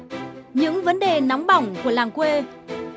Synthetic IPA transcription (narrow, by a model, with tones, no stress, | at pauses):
ɲɨ̰˧˥ŋvə˨˦nɗe˨˩na˨˦wŋ͡mɓa˧˩wŋ͡mku˧˩əlaː˨˩ŋkwe˧